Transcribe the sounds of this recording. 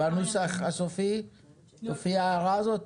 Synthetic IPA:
anusaχasofi | sofiaːʁazot̪

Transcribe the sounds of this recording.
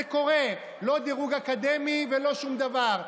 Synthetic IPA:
eko̞ʁe̞ | lo̞d̪iʁuɡakad̪e̞mivelo̞ʃumd̪avaʁ

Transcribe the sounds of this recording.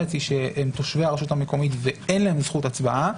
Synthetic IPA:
et͡siʃeemt̪oʃveaʁeʃuthameko̞mitveenlaemzχutat͡sbaʔa

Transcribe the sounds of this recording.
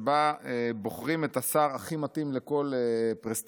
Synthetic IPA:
baebo̞χʁimet̪asaʁaχimat̪imleko̞lepʁest̪

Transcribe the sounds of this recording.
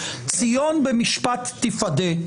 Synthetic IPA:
t͡sijonbɛmiʃpat̪ːifad̪e

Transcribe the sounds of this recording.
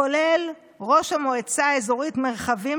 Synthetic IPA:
olel | ʁo̞ʃhamo̞et͡saezo̞ʁitme̞ʁχavi

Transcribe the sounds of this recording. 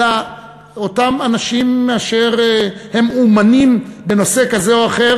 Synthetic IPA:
a | otamanaʃimaʃeʁhe̞mumanimbeno̞se̞kazeoaχe̞

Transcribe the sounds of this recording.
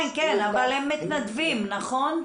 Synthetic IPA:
nkenavalemːit̪nad̪vimnaχo̞n

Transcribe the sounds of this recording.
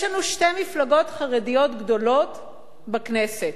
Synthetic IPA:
jlanuʃtejmiflaɡo̞tχaʁedijo̞tɡdo̞lot | bakneset

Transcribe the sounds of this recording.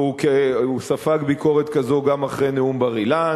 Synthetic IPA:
ukeusafaɡbiko̞ʁet̪kazo̞ɡamaχʁeneumbaʁila

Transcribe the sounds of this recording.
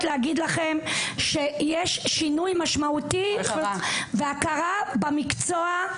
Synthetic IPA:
tleaɡid̪laχe̞mʃe̞jeʃːinujmaʃmauti | veakaʁabamikt͡soa

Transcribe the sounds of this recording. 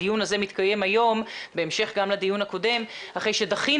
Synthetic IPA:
ijunaze̞mit̪kajemajo̞mbe̞emʃe̞χɡamlad̪ijunhako̞de̞m | haχejʃe̞daχi

